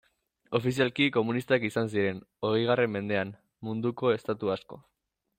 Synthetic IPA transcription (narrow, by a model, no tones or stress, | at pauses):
o̞fisialkiko̞munist̪akisans̬iɾe̞no̞ɣejɣ̞are̞mːe̞nd̪e̞am | mund̪uko̞e̞st̪at̪uasko̞̰